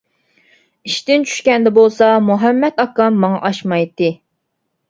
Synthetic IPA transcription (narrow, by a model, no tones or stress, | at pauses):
iʃt̪ɪnt͡ʃʰy̥ʃkʲɛnd̪ɛbolˠsɑmuɦɛmːɛt̪ɑkːɑmːɑŋɑ̰ʔɑʃmɑjt̪ːɨ